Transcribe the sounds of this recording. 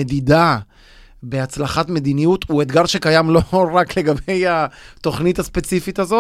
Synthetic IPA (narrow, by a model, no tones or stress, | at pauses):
ed̪id̪a | be̞at͡slaχatme̞d̪inijut̪uet̪ɡaʁʃe̞kajamlo̞ʁakle̞ɡabe̞jat̪o̞χnitaspe̞t͡sifit̪azo